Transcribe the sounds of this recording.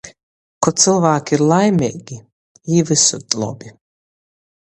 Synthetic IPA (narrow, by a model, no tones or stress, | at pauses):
kʰɔt̪sʰɨlvaːkʰiɾlajmɛʔʼɡi | ivɨsɔt̪ʼlɔ̰bi